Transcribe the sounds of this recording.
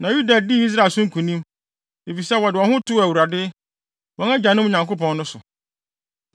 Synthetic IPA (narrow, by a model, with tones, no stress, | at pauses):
nã˨ju˦da˨di˦i˦s̬ɾa˦˨lsʊ̃˦ŋ̩˦kʰũ˨nĩ˦m | e˨fi˨sɛ˦wɔ˨dɪ˨wɔ̃˨hʊ̃˦tʰʊ˦æ˨wu˨ɾa˨dɪ˦ | wɔ̃˦æ˦d͡ʑa˨nʊ̃˦m˨ɲã˨ŋko˦pɔ̃˨nː˦ʊ̃˦sʊ˨